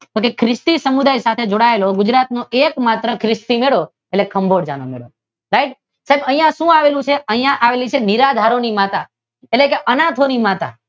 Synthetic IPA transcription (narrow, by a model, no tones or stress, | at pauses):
t̪okekʰɾɪst̪isəmud̪ajsat̪ʰed͡ʒoɽaeloɡʊd͡ʒɾat̪noekmat̪ɾəkʰɾɪst̪imeɭo | elekʰəmbʱoɽd͡ʒa̰nomḛɭo | ɾaiʈ̚ | saɦebə̃ɦĩjãʃũaʋelũt͡ʃʰeʔəɦĩjãʔaʋelit͡ʃʰeniɾad̪ʱaɾonimat̪a | elekeʔənat̪ʰonimat̪a̰